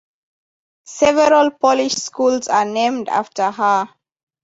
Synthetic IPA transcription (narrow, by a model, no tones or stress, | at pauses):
sɛvɛɹəlpʰɔliʃskulsanẽmda̰ftʰəɦə